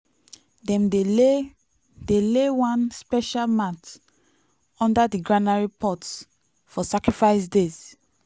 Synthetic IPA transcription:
dɛ̃m | d̥elewãnspɛʃalmat | ɔ̃ndadiɡɹanaɹipʰɔts | fɔsakɹifaɪsdez

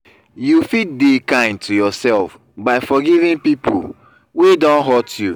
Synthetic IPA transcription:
jufit̚dekãɪ̃ndtʰujɔsɛlf | baɪfɔɡivĩnpipṵ | wedɔ̃nɦɔtju

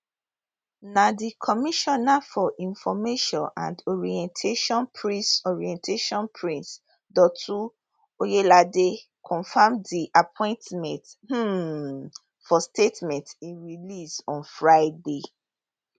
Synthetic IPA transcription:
nadikʰɔmiʃɔnafɔʔĩnfɔmeʃɔ̃nã̰ndɔɹiɛ̃ntʰeʃɔ̃npʰɹĩsɔɹiɛ̃ntʰeʃɔ̃npʰɹĩns | dɔtʰu | ojelade | kʰɔ̃nfamdiʔapʰɔ̃ɪ̃ntmɛ̃nth̩ | fɔstetmɛ̃ntĩnɹilisɔ̃nfɹaɪde

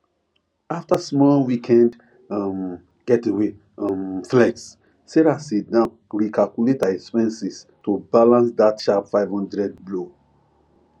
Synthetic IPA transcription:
aftasmɔlwikʰɛ̃nd | m | ɡ̥ɛtewe | mflɛs | seɾasidãnɹikʰalkuletaɛkspɛ̃nsistobalãnsdatʃapfaɪvhɔ̃ndɹɛd̚blo

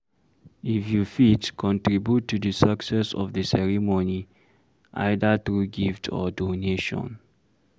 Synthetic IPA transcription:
ifjufitkʰɔ̃ntɹibjutʰːudəsaksɛsɔ̰vdəsɛɹimoni | ʔa̰ɪdatɹuɡiftʰɔ̰doneʃɔ̰̃n

